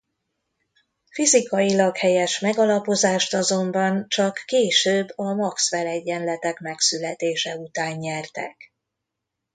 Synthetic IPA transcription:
fizikɒjilɒkhɛjɛʃmɛɡɒlɒpo̞zaːʃt̪ɒzo̞mbɒnt͡ʃɒkːeːʃøːbːɒmɒksfɛlɛɟːɛnlɛt̪ɛkmɛksylɛt̪eːʃɛut̪aːɲːɛrt̪ɛ̰k

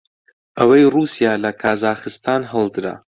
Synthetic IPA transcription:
ʔəwɐjruːsijaːlɐkʰaːzaːχɨst̪aːnɦəlˠd̪ɨɾa̰

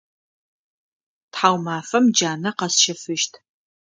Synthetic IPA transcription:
tħaːwmaːfɐmd͡ʒaːnɐqɐsʃɐfɨʃtʰ

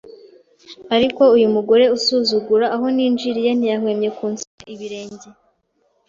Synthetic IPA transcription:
aɾiko̞ujumuɡo̞ɾe̞usuːzuɡuɾaːɦo̞niːnd͡ʒiɾijen̥ijaɦwe̞ːmɲe̞kuːnsuaʔiβiɾe̞ːɲɟe̞

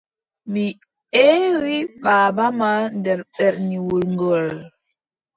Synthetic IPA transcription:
mi | ewiɓaːbamandɛɾɓɛɾniwulŋɡɔl

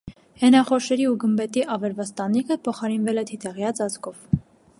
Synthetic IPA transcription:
hɛnɑχɔʃɛɾiuɡəmbɛt̪iʔɑvɛɾvɑst̪ɑnikʰəpʰɔχɑɾinvɛlɛt̪ʰit̪ɛʁjɑt͡sɑt͡skʰɔv̥

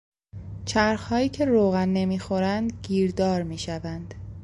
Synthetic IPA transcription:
t͡ʃʰæɾxhɒːjiːcʰe̞ɾoːɣænːe̞miːxo̞ɾænd̪ɟiːɾd̪ɒːɾmiːʃævænd̪̥

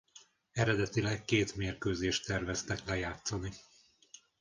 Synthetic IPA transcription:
ɛɾɛd̪ɛt̪ilɛkːeːt̪meːrkøːzeːʃt̪ɛrvɛst̪ɛklɛjaːt̪soni

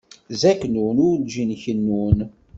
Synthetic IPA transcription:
zæknunʊɾd͡ʒinçənːun

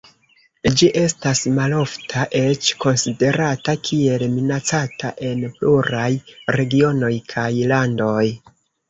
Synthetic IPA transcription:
d͡ʒiʔe̞stasmalo̞ftʰaʔe̞t͡ʃko̞nside̞ɾatakʰie̞lminat͡satʰa̰ʔe̞npluɾajɾe̞ɡio̞no̞jkʰajlando̞j

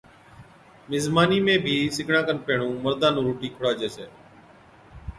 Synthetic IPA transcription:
mɪzmaːniːmẽːbʱiːsɪɡʱɳãːkənpeːɳũːməɾd̪aːnũːɾuːʈiːkʰʊɽaːd͡ʒeːseː

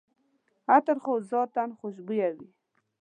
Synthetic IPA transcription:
at̪əɾχozɑt̪anχʊʃ̬bujawi

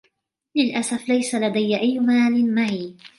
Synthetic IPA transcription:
lɪlʔasaflajsalad̪ajːʔajːʊmaːlɪnmaʕi

